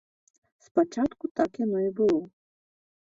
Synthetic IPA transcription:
spat͡ʂat̪kut̪akjanɔibɨlˠɔ

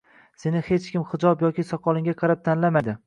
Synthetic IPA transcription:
se̞nɪhe̞t͡ʃkʲɪmχɪd͡ʒɒbjɒkʲisɒqʰɒlˠɪŋɡʲaqʰɑɾap̚t̪ʰanlamajd̪ɪ

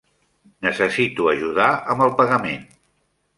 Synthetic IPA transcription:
nəsəsit̪uəʒuðaəmbəlˠpəɣəmen

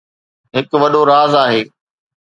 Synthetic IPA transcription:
ɦɪkʋɐɗoɾaːzaːɦeː

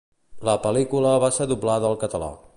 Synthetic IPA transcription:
ləpəlikuləβasəðublaðəːlˠkət̪əla̰

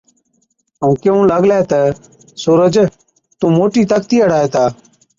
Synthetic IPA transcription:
əũːkeũːləɡlɛːt̪ə | suːɾəd͡ʒ | t̪ũːmoːʈiːt̪əkt̪iːəɽ̤aːeːt̪aː

